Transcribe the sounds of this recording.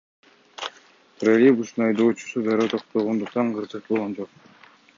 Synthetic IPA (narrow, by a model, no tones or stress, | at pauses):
pɾolʲibust̪unɑjd̪oːt͡ʃu̥sud̪ɑɾoːt̪ʰoq̚t̪oʁond̪uqt̪ɑɴqɯzɯq̚bolˠʁond͡ʒoq̚